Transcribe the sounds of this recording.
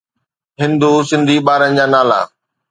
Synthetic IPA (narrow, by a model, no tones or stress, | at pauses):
ɦɪ̃nd̪usɪ̃nd̪ʱiɓaːɾənɪ̆d͡ʑaːnaːla̰ː